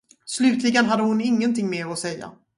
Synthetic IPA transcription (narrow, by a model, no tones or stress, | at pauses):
slʉ̟ːt̪lɪɡənɦad̪ːəhʊnɪŋːənt̪ʰɪŋːmeːɔsɛjːa̰